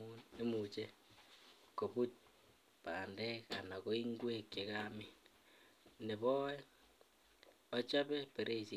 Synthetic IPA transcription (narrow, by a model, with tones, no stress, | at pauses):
ue˦mu˨t͡ʃe˦ | ko˨pu˦t̚ | paː˨ndɛ˦ka˨na˨ko˦i˦ŋɡwe˦kje˨kami˦ | ne˨βɔ˦ɛ | ɔ˦t͡ʃa˦pe˦pe˨ɾʔe˦i˨si˨